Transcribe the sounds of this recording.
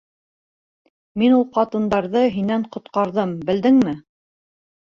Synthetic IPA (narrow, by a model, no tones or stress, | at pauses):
minulˠqɑt̪ɤ̆nd̪ɑɾðɤɦinæɴqŏt̪̚qɑɾðɤmbɘ̆ld̪ɘŋmɘ